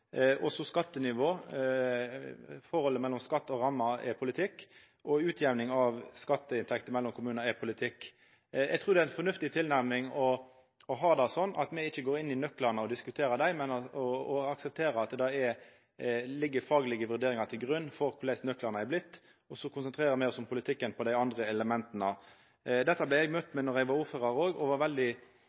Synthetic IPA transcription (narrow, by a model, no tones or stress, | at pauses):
ʔɔsɔskɑt̪ːənɪʋoː | fɔɾhɔlːəmɛlːɔmskɑt̪ːɔɾɑmːɑɛ̰pʰʊlɪt̪ʰɪkː | ʔɔʉːt̪ʰjɛʋnɪŋɑʋskɑt̪ːəɪnt̪ʰɛkt̪əmɛlːɔmkʰʊmʉːnnəɛpʰʊlɪt̪ʰɪkː | jɛ̰ɡt̪ʰʁuːd̪ɛæɪnfɔnʉft̪ɪt̪ʰɪlnæɾmɪŋɔ | ɔɦɑːd̪ɑsɔnːʔɑt̪mɛɪçːəɡoːɾɪnːɪnœklɑnəɔd̪ɪskʉt̪ʰeːɾəd̪æɪmɛnɔɔɑksɛp̚t̪ʰeːɾəɑt̪̚d̪ɑɛ | lɪɡːəfɑːɡəlɪɡəʋʉɾd̪eːɾɪŋɑt̪ʰɪlɡʁʉnːfɔɾkʰʊlæɪsnœklɑʁnəæblɪt̪ː | ɔsɔkʰʊnsənt̪ʰɾeːʁəmæɪɔsɔmpʰʊlɪt̪ʰɪkːənpʰɔd̪æɪɑnd̪ʁəɛləmɛnt̪nə | d̪ɛt̪ːəblæɪɛɡmœt̪ːmɛnɔʁæɪɡʋɑɾʊfəʁɑɾoːɡɔʋɑɾʋɛld̪ɪ